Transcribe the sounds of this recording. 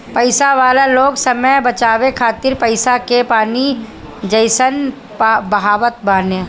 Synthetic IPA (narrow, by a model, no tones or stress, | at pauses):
pɐɪsaʋaːlaloːɡsəməjbɐt͡ʃaːʋekʰaːt̪ɪɾpəɪsakepaːni | d͡ʒəɪsən | bɐɦaːʋət̪̚baːnjə